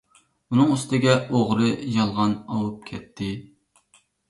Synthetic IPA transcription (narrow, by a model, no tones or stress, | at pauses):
unɨŋyst̪ʰɪɡʲɛoʁɾɨjɑlˠʁɑnɑwup̚kʲʰɛt̪ʰːɪ